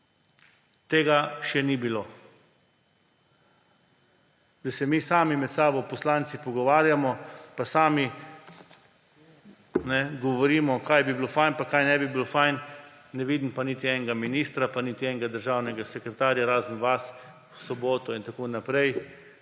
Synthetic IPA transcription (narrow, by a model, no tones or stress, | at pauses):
t̪eːɡaʃɛnibiloː | d̪asɛmisaːmimɛt̪saːbɔpɔslaːnt̪sipɔɡɔʋaːɾjamɔpasaːmi | nɛɡɔʋɔɾiːmɔkajbibilofajnpakajnɛbibilofajnː | ɛʋiːd̪impaniːt̪iɛnɛɡaminiːst̪ɾapanit̪iɛŋɡad̪əɾʒawnɛɡasɛkɾɛt̪aːɾjaɾaːzənʋas | wsɔboːt̪ɔint̪akoːnːapɾɛj